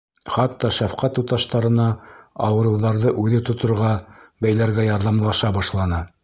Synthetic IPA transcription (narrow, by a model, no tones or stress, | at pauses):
χɑt̪ːɑʃæfqɑt̪ut̪ɑʃt̪ɑɾɤ̆nɑɑwɤ̆ɾɤ̆wðɑɾðɤʔʉðɘt̪ŏt̪ŏɾʁɑbæjlæɾɡæjɑɾðɑmlˠɑʃɑbɑʃlˠɑnɤ